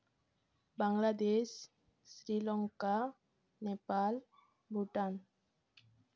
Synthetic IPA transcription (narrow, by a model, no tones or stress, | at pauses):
baŋlad̪es | sɾilɔŋka | nepal | bʱuʈan